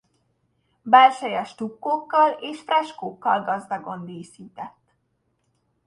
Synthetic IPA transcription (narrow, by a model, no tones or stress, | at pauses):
bɛlʃɛjɛʃt̪ukːoːkːɒleːʃfrɛʃkoːkːɒlɡɒzd̪ɒɡo̞nd̪eːsiːt̪ɛt̪ː